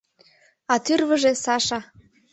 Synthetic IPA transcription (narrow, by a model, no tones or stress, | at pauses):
ɑt̪yrβə̆ʒĕsɑʃɑ